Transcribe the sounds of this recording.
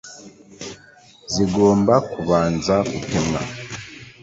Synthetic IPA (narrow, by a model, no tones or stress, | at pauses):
ziɡo̞ːmbakuβaːnzakutemŋa̰